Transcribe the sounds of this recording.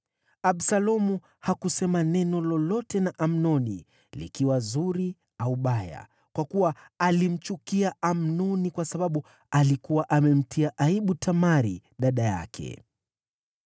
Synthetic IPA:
aɓsalɔmu | hakusɛmanɛnɔlɔlɔtɛnaʔam̩nɔnḭ | lḭkiwazuɾi | auɓaja̰ | kwakuwaː | lim̩t͡ʃukiaam̩nɔnikwasaɓaɓu | alikuwaʔamɛm̩tʰiaʔaiɓutʰamaɾḭɗaɗaja̰kʰɛ̰

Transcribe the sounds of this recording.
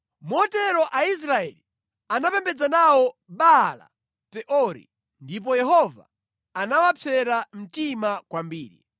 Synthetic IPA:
mɔtɛɾɔʔais̬ɾaɛ̰li | anapɛmbɛd͡zanawɔɓala̰ | pɛʔɔɾḭ | ndip̬ɔjɛɦɔva̰ | anawapʰɛɾam̩timakwambiːɾḭ

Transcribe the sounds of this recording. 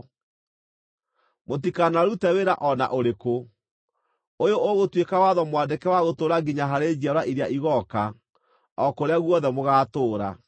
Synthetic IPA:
mot̬ikanaɾutɛweɾaʔɔna̰ʔoɾeko | ojooɣotwekawaðɔmwandekɛwaɣotoːɾaɡiɲaɦaɾed͡ʑiaɾaʔiɾeaʔiɣɔka | ɔkoɾeaɣwɔðɛmoɣaːtoːɾa̰

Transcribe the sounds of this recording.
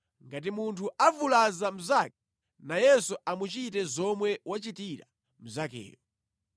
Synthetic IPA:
ŋɡat̬imuntʰuavulazam̩zak̚ɛ̥ | najɛsuʔamut͡ʃitɛzɔmwɛwat͡ʃitiɾa̰ | m̩zakɛ̰ːjɔ

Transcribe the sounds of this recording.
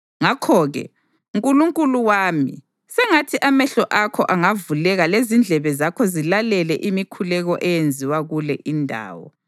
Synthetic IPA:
ŋakʰɔːɣɛ̰ | uŋkʼuluŋkʼuluwaːmḭ | sɛŋatʰiʔamɛɬɔʔakʰɔʔaŋavulɛɣalezind͡ɮʱɛβɛzakʰɔzilalɛlɛʔimikʰulɛɣɔʔɛjend͡zʱiwaɣulɛʔindʱa̰ːwɔ̰

